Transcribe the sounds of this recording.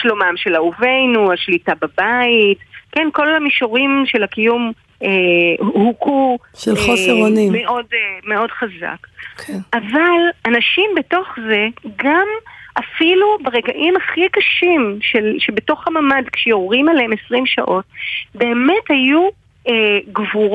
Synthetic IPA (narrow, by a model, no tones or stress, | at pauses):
ʃlo̞mamʃe̞lauve̞jnuaʃlitababaitkenko̞lhamiʃoʁimʃelakijum | ehuku | ʃelχoseʁonimeʔo̞dme̞o̞d̥χaza̰kkʰʔavalanaʃimbeto̞χze̞ɡamʔafilubeʁe̞ɡaʔimaχikaʃimʃelʃe̞be̞to̞χhamamadkʃejoʁʁimaleemesʁimʃa̰ʔo̞t̚be̞ːme̞thaju | eɡvuʁ